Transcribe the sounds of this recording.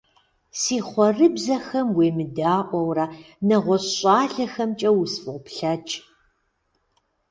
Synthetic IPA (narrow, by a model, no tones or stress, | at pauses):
siːχʷɔrɨbzɐxɐmweːmɨdaːʔʷɔwrɐ | nɐʁʷɔɕʼɑːɮɐxɐmt͡ʃʼɐwʊsfʼɨʁʷʊpɬɐt͡ʃʼ